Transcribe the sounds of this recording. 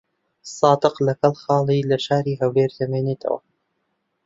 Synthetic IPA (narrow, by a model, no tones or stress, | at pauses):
sɑːd̪ɨqlɐkɐlˠxɑːlˠiːlɐʃaːɾiːɦɐweːɾt̪ʰɐmeːneːt̪ʰə̰wɐ̰